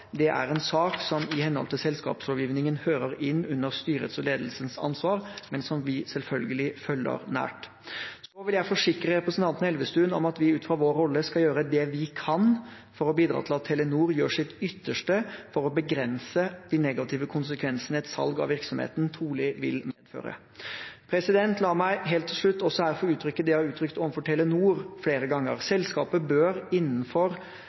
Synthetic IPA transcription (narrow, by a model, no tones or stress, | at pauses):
d̪ɛʔæ̰ɾɛnsɑːksɔmɪhɛnhɔ̰lt̪ʰɪsɛlskɑ̰ːpsɔːʋjiːʋnɪŋənhøːɾəɾɪnːʉnːəɾst̪yːɾəə̰t̪sɔleːd̪əlsənsɑ̰nsʋɑːɾmɛnsɔmʋɪsɛlfœlɡəlɪfœlːə̰ɾnæ̰ːʈ | sɔʋɪljæɪfɔʂɪkɾəɾɛpɾəsənt̪ʰɑnt̪ənəɛlʋəst̪ʉːnɔ̰mɑt̪ʋɪʉːt̪fɾɑʋoːɾɔlːəskɑljøːɾəd̪ɛʋɪkʰɑn | fɔɾɔbiːd̪ɾɑ̰ːt̪ɪlɑt̪ʰːɛlənuːɾjøːʂɪt̪ʏt̪ːəʂʈəfɔɾɔbəɡɾɛnsəd̪̥inɛɡɑt̪ʰɪːʋəkʰʊnsəkʰʋɛnsənəɛt̪sɑ̰lɡɑ̰ʋɪɾksɔmhḛːt̪n̩t̪ʰɾuːɭɪʋɪ̰lmeːd̪̥fø̰ːɾə̰ | pʰɾɛsɪd̪ɛnt̪lɑːmæɪɦeːlt̪ʰːɪlʂɭʉt̪ːɔsɔhæɾfɔɾʉːt̪ʰɾʏkːəd̪ɛɑɾʉːt̪ʰɾʏkt̪ɔʋən̩fɔʈʰɛlənuːɾfleːɾəɡɑŋːə̰ɾsɛlskɑːpəbøːɾɪnːən̩fɔɾ